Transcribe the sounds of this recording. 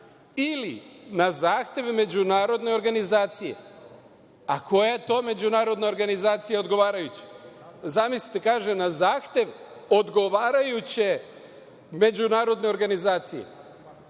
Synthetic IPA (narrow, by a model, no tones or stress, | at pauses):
ilinazaːxt̪je̞ʋme̞d͡ʑunaːɾo̞d̪ne̞o̞ɾɡanizaːt̪sijḛ | ako̞jet̪o̞ːme̞d͡ʑunaːɾo̞d̪ne̞o̞ɾɡanizaːt̪sijeod̪ɡo̞ʋaːɾajut͡ɕe̥zamisli̥t̪ekaːʒenazaːxt̪ʲje̞ʋ | o̞d̪ɡo̞ʋaːɾajut͡ɕe̞ | me̞d͡ʑunaːɾo̞d̪ne̞o̞ɾɡanizaːt̪sije̞̰